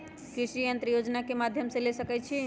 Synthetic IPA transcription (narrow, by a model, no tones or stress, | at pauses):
kɾisɾijənt̪ɾəjod͡ʒnakemad̪ʱjəmsẽlesəkɛt͡ʃʰi